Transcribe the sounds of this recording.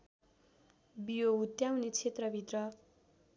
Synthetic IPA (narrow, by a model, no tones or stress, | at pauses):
bijoɦut̪jawnet͡sʰet̪rʌbʱit̪rʌ